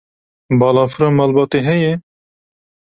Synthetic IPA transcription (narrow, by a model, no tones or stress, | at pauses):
bɑːlɑːfɨɾɑːmɑːlbɑːt̪eɦɛjɛ